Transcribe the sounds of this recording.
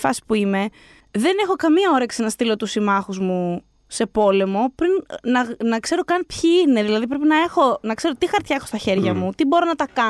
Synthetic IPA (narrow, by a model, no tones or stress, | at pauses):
fɐ̰si̥puime̞ | ðe̞ne̞xo̞kɐmiɐo̞ɾɐksenɐst̪ilo̞t̪usimɐxuzmu | se̞po̞le̞mo̞pɾinnɐnɐkse̞ɾo̞kɐnpçiine̞ðilɐðip̬ɾepinɐe̞xo̞nɐkse̞ɾo̞t̪ixɐɾt̪çɐe̞xo̞st̪ɐçe̞ɾʝɐmut̪ibo̞ɾo̞nɐt̪ɐkɐ